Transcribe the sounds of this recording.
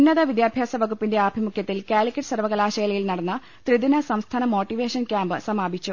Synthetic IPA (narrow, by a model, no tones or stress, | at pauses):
unːɐðɐʋid̪jaːbʱjaːsɐʋɐɡupːinde̞aːbʱimukʰjɐt̪ːilkaːlikʲːɐʈsɐrʋɐɣɐlaːɕɐjɐlɐjilnɐɽɐnːɐ | t̪riðinɐsɐmst̪ʰaːnɐmo̞ːʈːiʋe̞ːʂɐnkʲaːmbɨsɐmaːbʱit͡ɕːu